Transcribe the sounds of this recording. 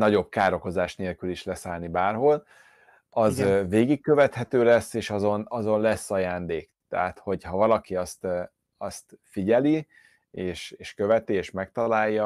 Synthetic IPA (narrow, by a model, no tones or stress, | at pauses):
nɒɟo̞b̚kaːɾo̞ko̞zaːʃneːlkyliʃlɛsaːlnibaːrɦo̞l | ɒzveːɡikːøvɛt̪hɛt̪øːlɛsːeːʃɒzo̞nɒzo̞nlɛsːɒjaːnd̪eːkt̪ɛɦat̪ho̞ɟhɒvɒlɒkiɒst̪ | ɒst̪fiɟɛli | eːʃeːʃkø̞vɛt̪ieːʃmɛk̚t̪ɒlaːjːɒ